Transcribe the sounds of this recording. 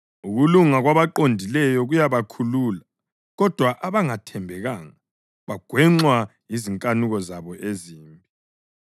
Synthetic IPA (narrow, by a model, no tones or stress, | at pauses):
uɣuluŋaɣwaβaǃondʱilɛjɔɣujaβakʰuluːla | ɣɔd̥ʱwaʔaβaŋatʰɛmbʱɛɣaːŋa | βaɡ̥ʱwɛŋ͡ǁwajiziŋkʼanuɣɔzaβɔʔeziːmbʱi